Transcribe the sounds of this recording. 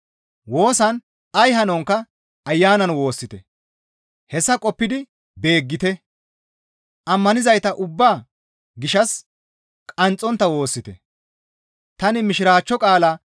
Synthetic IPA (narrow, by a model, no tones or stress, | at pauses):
wo̞ːsɐn | ɐjɦɐnɔŋkːɐ | ɐjːaːnɐnwo̞ːsːɪt̪ɛ̰ | hɛsːɐkʼɔpːɪd̪ɪ | be̞ːɡːɪt̪ɛ | ʔɐmːɐnɪzɐjt̪ɐʔʊbːaː | ɡɪʃɐs | kʼɐnt͡sʼːɔnt̪ːɐwo̞ːsːɪt̪ɛ̰ | t̪ɐnɪmɪʃɪɾaːt͡ʃːɔkʼaːla